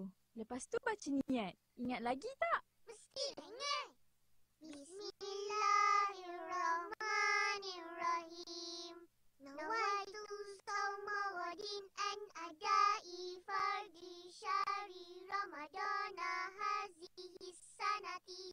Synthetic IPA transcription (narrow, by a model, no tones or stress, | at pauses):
ləpast̪ubat͡ʃəniat̪̚iŋat̪̚laɡit̪aʔ | məst̪iŋa | bismlahilrɔmanirahim | nawat̪usɔmawɔdinɛnadaifaɾdiʃaɾiɾɔmadɔnaɦazihisanat̪i